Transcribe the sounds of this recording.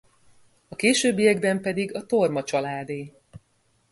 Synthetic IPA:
ɒkeːʃøːbːijɛɡbɛmpɛd̪iɡɒt̪o̞rmɒt͡ʃɒlaːd̪eː

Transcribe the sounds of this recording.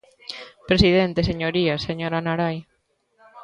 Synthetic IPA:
pɾesiðent̪eseɲoɾiaseɲoɾanaɾaj

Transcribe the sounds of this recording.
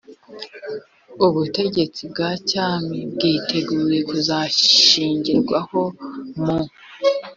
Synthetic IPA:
uβute̞ɟe̞t͡sib̚ɡaːcaːmibɡiːtʰe̞ɡuːɾe̞kuzaiːɲɟiɾɡwaho̞mu

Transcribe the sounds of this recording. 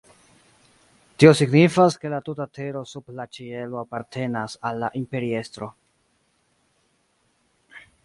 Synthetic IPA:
tio̞siɡnifaske̞latutatʰe̞ɾo̞sublat͡ʃie̞lo̞apaɾtʰe̞nasalːaʔimpe̞ɾie̞stɾo̞

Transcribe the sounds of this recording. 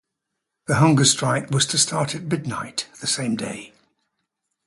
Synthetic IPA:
ðəɦʌ̃ŋɡəstɹ̥aɪkwɒz̥tʰəstʰɑˑtʰət̚mɪdⁿnaɪʔðəsẽɪ̃mdḛɪ

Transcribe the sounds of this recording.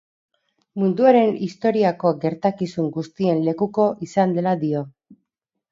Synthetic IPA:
mund̪uaɾe̞nist̪o̞ɾiako̞ɡe̞ɾt̪akisuŋɡust̪ie̞nle̞kuko̞ʔisand̪e̞lad̪io̞

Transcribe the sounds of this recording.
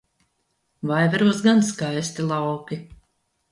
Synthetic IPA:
vajvɛɾuɔsɡanskajst̪ilˠɑwki

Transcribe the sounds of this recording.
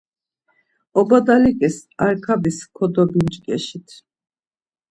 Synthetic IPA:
ɔbad̪alikʼɛsaɾkʰabiskʰɔd̪ɔbint͡ʃʼkʼɛʃit̪ʰ

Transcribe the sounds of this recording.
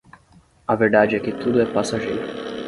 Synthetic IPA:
ɐveɾd̪ad͡ʒɪɛkɪt̪ud̪ʊɛpasaʒejɾʊ

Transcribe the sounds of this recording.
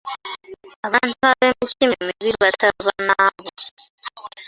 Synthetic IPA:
aβaːntuaβemitimemiβiβataβanaβo

